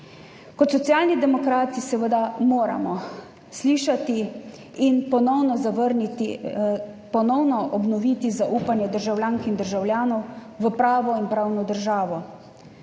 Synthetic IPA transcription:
kɔt̪sɔt̪sijaːlnid̪ɛmɔkɾaːt̪isɛʋəd̪amoːɾa̰mɔ | sliːʃat̪iː | npɔnɔwnɔzaʋəɾnit̪i | pɔnɔwnɔʔɔbnɔʋiːt̪izaʔuːpanjɛd̪əɾʒawljaːŋkind̪əɾʒawljaːnɔw | ʋəpɾaːʋɔinpɾaːwnɔd̪əɾʒaːʋɔ

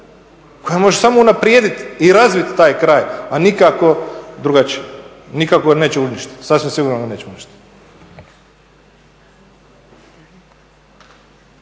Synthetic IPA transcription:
ko̞jamo̞ʒesamounapɾjeːd̪it̪iɾazʋit̪t̪ːaːjkɾaːjanikako̞d̪ɾuɡat͡ʃije | nikakoɡane̞ːt͡ɕeuniʃt̪i̥t̪sasʋimsiɡuːɾnoɡane̞ːt͡ɕt͡ʃeuniʃt̪i̥t̪

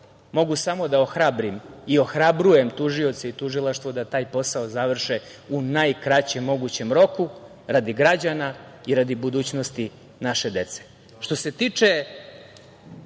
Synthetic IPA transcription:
mo̞ɡusamo̞d̪aoxɾabɾimio̞xɾabɾuje̞mt̪uʒio̞t̪seit̪uʒilˠaʃt̪ʋod̪at̪aːjpo̞sao̞zaʋr̩ʃe | unajkɾat͡ɕe̞mːo̞ɡut͡ɕe̞mɾo̞ku | ɾad̪iɡɾad͡ʑana | iɾad̪ibud̪uːt͡ɕno̞st̪i | naʃe̞d̪e̞t̪se̥ | ʃt̪o̞se̞t̪iːt͡ʂe

